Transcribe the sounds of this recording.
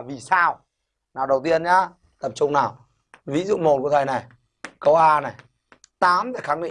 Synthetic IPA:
vi˨˩saː˧w | naː˨˩wɗə˨˩wt̪i˧ənɲa˧ | t̪ə˨˩m̚t͡ɕʊ˧ŋ͡mnaː˨˩w | vi˨˦zṵ˧˨ŋ͡mmo˨˩t̚ku˧˩ət̪ʰə˨˩jna˨˩j | kə˧wʔaː˧na˨˩j | t̪aː˨˦mt̪aː˨˩jxaː˨˦ŋɗḭ˧˦

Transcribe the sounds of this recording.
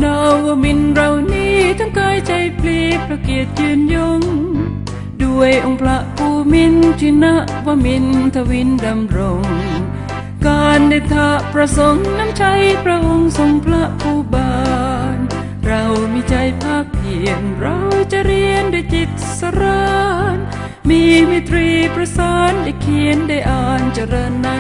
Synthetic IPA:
naː˧aː˧mi˧nɾa˧wniː˥˩t̪ʰa˧˥˩ŋkaː˧˥jt͡ɕa˧jpʰliː˧˩p̪̚ɾa˧ki˨˩ət̪̚jɯː˧njo˧ŋ | du˧əjʔo˧ŋpʰla˧˥ʔpʰuː˧˩mi˧˥nt͡ɕʰi˧na˧˥ʔwaː˧mi˧˥nt̪ʰa˧wi˧˥nda˧mɾo˨˧˩ŋ | kaː˧nde˧˩t̪ʰa˧ʔpɾa˧so˨˧˦ŋna˧˥mt͡ɕʰa˧˥jpʰɾa˧˥ʔo˧ŋso˧˦ŋpʰla˧˥ʔpʰuː˧baː˧n | ɾa˧wmiː˧˥t͡ɕa˧jpʰaː˧˩k̚ːʰi˨˩ənɾa˧wt͡ɕa˧ʔɾi˧ənduː˧˩˨jt͡ɕi˧t̪̚sa˧ɾaː˧n | miː˧mi˧˥t̪ɾiː˧pɾa˧saː˧nda˧˩kʰi˨˧˦ənda˧˩jʔaː˧˩nt͡ɕa˧ɾɤː˧nːa˧˥

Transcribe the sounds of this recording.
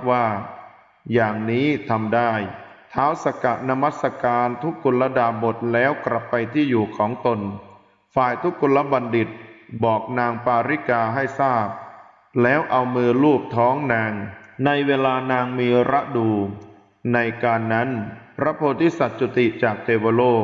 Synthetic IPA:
waː˥˩ | jaː˨˩ŋniː˦˥t̪ʰa˧mdaː˥˩jt̪ʰaː˦˥wsa˧ka˨˩na˦˧˥ma˦˥t̪̚sa˧kaː˧nt̪ʰu˦˥kːu˧la˦˥daː˧bo˨˩t̪̚lɛː˦˥wkla˨˩pːa˧jt̪ʰiː˥˩juː˨˩kʰɔː˩˦ŋt̪o˧n | faː˨˩jt̪ʰu˦˥kːu˧la˦˥ba˧ndi˨˩t̪̚bɔː˨˩k̚naː˧ŋpaː˧ɾi˦˥kaː˧ɦa˥˩jsaː˥˩p̚ | lɛː˦˥wʔa˧wmɯː˧luː˥˩p̚t̪ʰɔː˦˥ŋnaː˧ŋna˧jweː˧laː˧naː˧ŋmiː˧ɾa˦˥ʔduː˧ | na˧jkaː˧nːa˦˥npʰɾa˦˥pʰoː˧t̪ʰiː˦˥˩sa˨˩t̪̚su˨˧˩t̪i˨˩t͡ɕaː˨˩k̚t̪ʰeː˧boː˧loː˥˩

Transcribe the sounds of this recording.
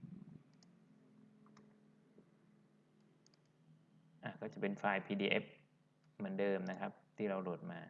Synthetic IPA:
ʔaː˧˩kɔː˥˩t͡ɕa˨˩pe˧nfaː˧jpʰiː˧diː˧ʔḛ˦˥p̚ | mɯ˩˦ndɤː˧mna˦˥kʰa˦˥p̚t̪ʰiː˥˩ɾa˧wlo˨˩t̪̚maː˧

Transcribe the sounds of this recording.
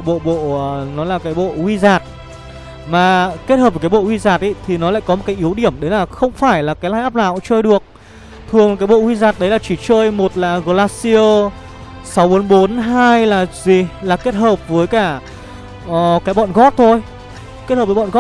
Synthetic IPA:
ɓo̰˧˨ɓo̰˧˨˩nɔ˨˦laː˨˩kaː˨˦jɓo̰˧˨hwi˧zaː˨˩t̚ | maː˨˩ke˦˥t̚həː˨˩p̚vkːjɓo̰˧˨hwi˧zaː˨˩t̚ʔi˧˦t̪ʰi˨˩nɔ˨˦la̰ː˧˨jkɔ˨˦o˨˩tka˨˦jʔi˨˦əwɗi˧˩əmɗe˨˦nlaː˨˩xə˧wŋ͡mfaː˧˩jlaː˨˩kaː˨˦jlaː˧jʔːp̚la̰ː˧˨wt͡ɕəː˧jɗɨ˨˩ək̚ | t̪ʰɨ˨˩əŋ˨kaː˨˦jɓo̰˧˨hwi˧zaː˨˩t̚ɗə˨˦jlaː˨˩t͡ɕi˧˩t͡ɕəː˧jmo˨˩t̚laː˨˩ɣo˧˩laː˧t̚si˧əː˧ | sa˨˦wɓo˨˦nɓo˨˦nɦaː˧jlaː˨˩zi˨˩laː˨˩ke˦˥t̚həː˨˩p̚vəː˨˦jkaː˧˩ | ʔəː˨˩kaː˨˦jɓɔ̰˧˨nɣɔ˦˥t̚t̪ʰo˧j | ke˦˥t̚hə˨˩pvəː˨˦ɔ̰˧˨˧ɔ˦˥

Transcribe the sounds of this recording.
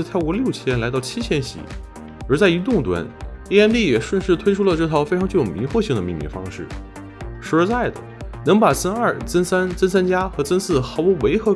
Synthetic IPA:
t̪ʰa˥˧ɪkwɔ˧˥ljo˥˩ʊt͡ɕʰjɛ˥nla˧˥ɪt̪ɑ˥˩ʊt͡ɕʰi˥t͡ɕʰjɛ˥nɕḭ˨˩˦ | ə˞˧˥t͡sa˥˩ɪi˧˥t̪ʊ˥˩ŋt̪wa̰˥ni˥˧ɛ˥nt̪i˥˩jɛ˨˩ʂwə˥˧nʂɻ̩˥˩t̪ʰwe˥ɪʈ͡ʂʰu˥lə˨˧ʈ͡ʂɤ˥˩t̪ʰɑ˧˥ʊfe˥ʈ͡ʂʰɑ˧˥ŋt͡ɕo˥˩jo˨˩mi˧˥ŋxwɔ˥˧ɕi˥˩ŋd̪ə˩mi˥˩mḭ˧˩ŋfɑ̰˥ŋʂɻ̩˥˩ | ʂɻ̩˧˥˧t͡sa˥˩ɪd̪ə̰˩nɤ˧˥ŋpa˨˩t͡sə˥nɐ˞˥˩t͡sə˥nsa˥nt͡sə˥nsa˥nt͡ɕja˥xɤ˧˥t͡sə˥nsɹ̩˥˩xɑ˧˥ʊu˧˥we˧˥ɪxɤ˧˥

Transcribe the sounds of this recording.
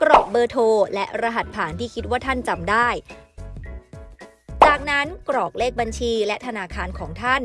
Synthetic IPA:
kɾɔː˨˩k̚bɤː˧t̪ʰoː˧lɛ˦˥ʔɾa˧ɦa˨˩t̪̚pʰaː˩˦nt̪ʰiː˥˩kʰi˦t̪̚waː˥˩t̪ʰa˥˩nt͡ɕa˧mdaː˥˩j | t͡ɕaː˨˩k̚na˦˥nkɾɔː˨˩k̚leː˥˩k̚ba˧nt͡ɕʰiː˧lɛ˦˥ʔt̪ʰa˧naː˧kʰaː˧nkʰɔː˩˦ŋt̪ʰa˥˩n

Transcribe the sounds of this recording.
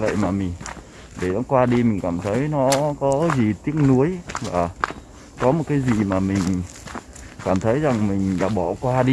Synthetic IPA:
və̰˧˨jmaː˨˩mï˨˩ŋ̟ | ɗe˧˩nɔ˨˦kwaː˧ɗi˧mï˨˩ŋ̟kaː˧˩mt̪ʰə˨˦jnɔ˨˦kɔ˨˦zi˨˩t̪i˦˥ək̚nu˨˦əjvaː˨˩ | kɔ˨˦mo˨˩t̚kaː˨˦jzi˨˩maː˨˩mï˨˩ŋ̟ | kaː˧˩mt̪ʰə˨˦jza˨˩ŋmï˨˩ŋ̟la̰ː˧˩ɓɔ˧˩kwaː˧ɗi˧

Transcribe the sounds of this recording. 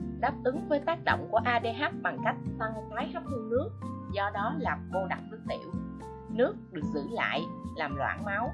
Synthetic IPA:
ɗaː˦˥p̚ʔ̪ɨ˨˦ŋvəː˨˦jt̪aː˦˥t̚ɗo̰˧˨wŋ͡mku˧˩əʔaː˧ɗe˧ɦa˦˥p̚ɓa˨˩ŋka˦˥jk̟̚sa˧ŋmaː˨˦jxa˦˥p̚t̪ʰɨ˧nɨ˦˥ək̚zɔ˧ɗɔ˨˦laː˨˩mvo˧ɗa˨˩k̚fɨ˨˧˩ŋt̪ḭ˧˩˨əw | nɨ˦˥ək̚ɗɨ˨˩ək̚zɨ̰˧˨la̰ː˧˨jlaː˨˩mlwa̰ː˧˩nma˨˦w

